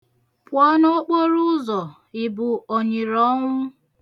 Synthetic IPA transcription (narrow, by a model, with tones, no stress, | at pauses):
pwɔ˦no˦k͡po˦ɾʊ˦zɔ˨ | ɪ˨bʊ˨o˨ɲi˨ɾɔ˦ŋʷʊ˦